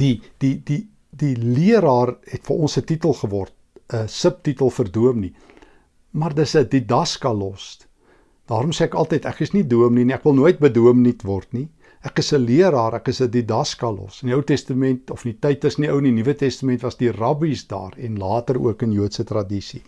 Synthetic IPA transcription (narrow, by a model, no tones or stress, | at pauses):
d̥ididi | diliəɾɑːrhɛtfəʔɔnsətitəlˠχəvɔrt̚əsəp̚titəlˠfərduəmni | mɐrdəsədidɐskɑlɔs | d̥ɑːɾɔmseːækɐlˠtəjtæ̰kəsniduəmniniækvəlˠnuəjt̚bəduəmnitvɔrtni | ʔækəsəliəɾɑːɾækəsədidɐskɐlɔ̰səniəwtɛstəmɛntɔfnitəjtəsniəwninivətɛstəmɛntvɐsdirɐbisdɑ̰ːrɛnlɑːtərṵəkənjuətsətrɐdisi